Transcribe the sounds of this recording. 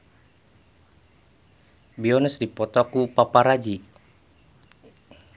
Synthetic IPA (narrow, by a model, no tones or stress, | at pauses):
biɔnusdipɔt̪ɔkupapaɾad͡ʒi